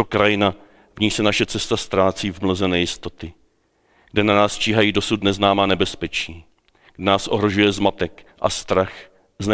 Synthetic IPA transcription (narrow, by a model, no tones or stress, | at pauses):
okɾajɪna | vɲisɛnaʃɛt͡sɛst̪ast̪ɾaːt͡siːvmnozɛnɛjɪst̪o̞t̪ɪ | ɡ̥dɛnanaːst͡ʃiːɦajiːdo̞sut̪nɛznaːmaːnɛbɛspɛt͡ʃiː | ɡdɛnaːsʔoɦɾo̞ʒujɛzmat̪ɛkʔa̰st̪ɾax | znɛ